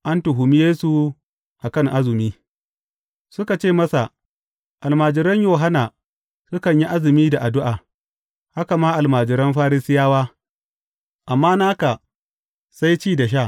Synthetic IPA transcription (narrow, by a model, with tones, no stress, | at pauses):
ʔa˦ntʊ˨ɦʊ˨mi˦jeː˦su˨ | ʔa˨kɐ˦ŋʔa˦zɪ˨miː˦ | sʊ˦ka˨t͡ʃeː˦˨mɐ˦sa˨ | ʔa˨lmaː˨d͡ʒɪ˨ɾɐ˦ɲjoː˨ɦa˦naː˨ | sʊ˦kɐ˨ɲji˦ʔa˦zɪ˨miː˦da˨ʔa˨dʊ˦ʔaː˨ | ha˦ka˨maː˦ʔa˨lmaː˨d͡ʒɪ˨ɾɐ˦mɸaː˦ɾɪ˦sɪ˦jaː˦waː˦ | ʔa˨mːaː˦naː˦ka˨ | sa˦jt͡ʃiː˦˨da˨ʃ̬aː˦˨